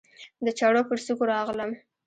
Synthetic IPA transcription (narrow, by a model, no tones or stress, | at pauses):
d̪ət͡ʃɑɽopəɾsukoɾɑɣləm